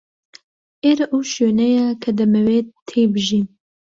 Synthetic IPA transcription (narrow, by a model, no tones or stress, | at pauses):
eɾʔuːʃøːnɛjɑːkʰɐd̪ɨmɛweːt̪ʰeːbɨʒin